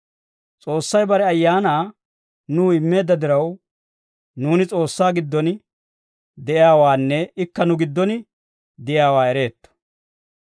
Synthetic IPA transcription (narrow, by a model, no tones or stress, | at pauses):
t͡sʼo̞ːsːɐjbɐɾɛɐjːaːnaː | nuːɪmːe̞ːd̪ːɐd̪ɪɾɐw | nuːnɪt͡sʼo̞ːsːaːɡɪd̪ːɔn | d̪ɛʔɪjaːwaːnːɛɪkːɐnʊɡɪd̪ːɔnɪ | d̪ɪjaːwaːɛɾe̞ːt̪ːɔ̥